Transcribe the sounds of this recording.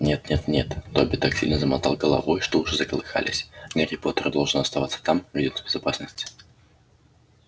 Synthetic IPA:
nʲet̪nʲet̪nʲe̞t̪t̪obʲɪt̪aksʲilʲnəzəmat̪a̰lˠɡəlˠɐ̰vojʂt̪oʊʐɛzəkəlˠɨxa̰lʲɪ̰sʲnʲaɾʲɪport̪ərd̪olˠʐnəɐst̪ɐvat̪sːə̥t̪amvʲɪdʲot̪bʲɪzapasnəsʲtʲ

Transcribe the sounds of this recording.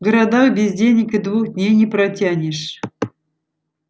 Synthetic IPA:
ɡəɾad̪awbʲɪzʲdʲenʲɪkʲɨd̪vuxd̪ʲnʲejnʲɪpɾatʲanʲɪʂ

